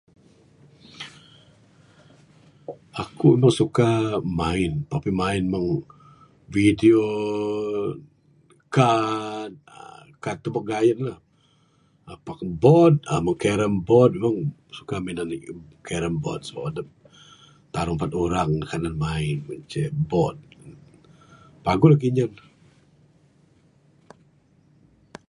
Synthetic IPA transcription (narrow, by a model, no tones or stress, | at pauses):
akuimaŋsukamaɪnpapimaɪnmaŋ | vidio | kad̪̚ | kat̪ubak̚ɡajət̪̚lah | apakbɔd̪̚a̰məŋkeɾəmbɔt̪̚mmaŋ | sukaminanikʰeɾəmbɔ̰t̪̚sə̥badəp̚ | t̪aɾʊŋpat̪uɾaŋəkananmaɪnməɲt͡ʃəbɔt̪̚ | paɡʊlahkiɲən